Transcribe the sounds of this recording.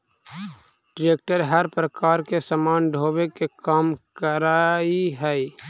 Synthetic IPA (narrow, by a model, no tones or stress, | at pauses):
ɖɾeːk̚ʈəɾɦəɾpɾəkaːɾkesəmaːnɖʱoːbekekaːmkəɾaːiɦɛ